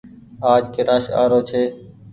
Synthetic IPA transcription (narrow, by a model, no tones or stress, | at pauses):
aːd͡ʒkeːɾaːʃa̰ːɾoːt͡ʃʰeː